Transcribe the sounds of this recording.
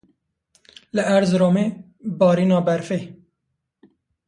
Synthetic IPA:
ləʔæɾzɾoːmeː | bɑːɾiːnɑːbæɾfeː

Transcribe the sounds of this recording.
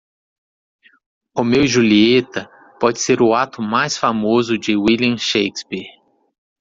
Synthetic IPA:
ʊmewʒuliet̪ɐ | pɔd͡ʒɪseɾʊat̪ʊmajsfamozʊd͡ʒɪwiliɐ̃ʃejkspiɾ

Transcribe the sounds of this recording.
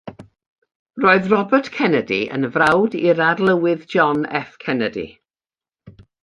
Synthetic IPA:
roːɨðrɔbərtkʰɛnədḭə̰nvrawdiɾarlˠəwɪðd͡ʒɔnɛ̰fkʰɛnədḭ

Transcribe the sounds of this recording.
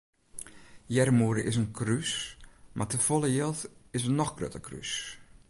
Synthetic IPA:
jɛrmuəɾəʔɪs̬ənkʰrysmʔatəfolˠəjelˠtɪsənɔxɡrø̰təkry̰s

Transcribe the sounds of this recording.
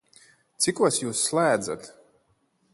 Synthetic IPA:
t̪sikuɔsjuːsːlˠæːd̪za̰t̪

